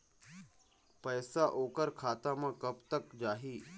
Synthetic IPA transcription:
pəjsaʔoːkəɾkʰaːt̪amãkəpt̪əkd͡ʒaːɦiː

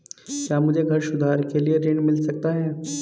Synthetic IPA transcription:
kjaːmʊd͡ʒʱeɡʱɐɾʃʊd̪ʱaːɾkelieɾɪɳmɪlsɐk̚t̪aɦɛː

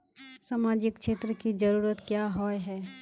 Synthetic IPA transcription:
saːmaːd͡ʒɪkʃeːt̪ɾəkid͡ʒəɾuːɾət̪kjaːɦɔːjɦɛː

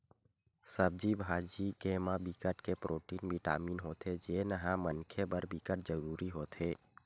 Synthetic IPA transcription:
səb̚d͡ʒibʱaːd͡ʒikemabikəʈkepɾʔoːʈiːnbʱiʈa̰ːmiːnɦoːt̪ɦed͡ʒeːnəɦãmənkʰebəɾbikəʈd͡ʒəɾuːɾiɦoːt̪ɦeː

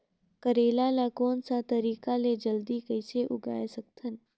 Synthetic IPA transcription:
kɐɾeːlalakoːnsat̪ɐɾiːkaled͡ʒɐld̪ikɐɪseʔʊɡa̰ːesɐk̚t̪ʰən

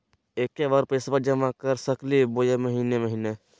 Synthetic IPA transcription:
eːkeʋaɾpesbəɾd͡ʒəmakəɾsəklibojeməɦineməɦiːne

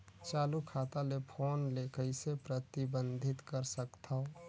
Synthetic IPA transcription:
t͡ʃaːlukʰaːt̪alepʰoːnlekəisepɾət̪ibə̃nd̪ʱɪt̪kəɾsəkt̪ʰao

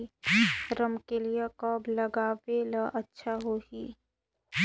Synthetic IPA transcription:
ɾəmkelijekɔːblɐɡaːʋeləʔɐtːʃʰaɦoɦiː

